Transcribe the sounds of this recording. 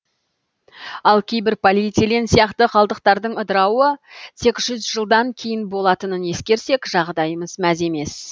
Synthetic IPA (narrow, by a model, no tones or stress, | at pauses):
ɑlˠkʲʰe̞jbɪɾpʰolijt̪silensijɑqt̪əqʰɑlˠd̪əq̚t̪ɑɾd̪əɴəd̪əɾɑwət̪ʰe̞kʒ̥ʏzʒəlˠd̪ɑŋkʲʰe̞jɪnbo̞lˠɑt̪ənəne̞skʲe̞ɾse̞kʒɑʁd̪ɑjəməzmæze̞me̞s